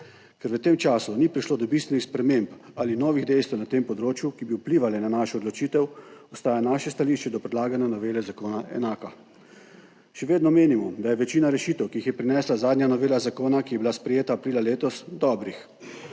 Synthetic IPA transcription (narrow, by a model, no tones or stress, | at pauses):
kɛɾʋət̪eːmt͡ʃaːsunipɾiʃloːd̪ɔbist̪ʋɛnixspɾɛmempalinɔːʋiɣd̪ɛjst̪ʋɛnat̪eːmpɔd̪ɾoːt͡ʃjukibiupliːʋalɛnanaʃɛɔd̪lɔt͡ʃiːt̪ɛwɔst̪aːjanaːʃɛst̪aliːʃt͡ʃɛd̪ɔpɾɛd̪laːɡanjanɔʋeːlɛzakoːnaʔɛ̰naːka | ʃɛʋeːd̪nɔmeːnimɔd̪ajɛʋɛt͡ʃiːnaɾɛʃiːt̪ɛwkiixjɛpɾinɛːslazaːd̪njanɔʋeːlazakoːnakijɛbilaspɾɛjeːt̪aːpɾiːlaleːt̪ɔsd̪ɔbɾix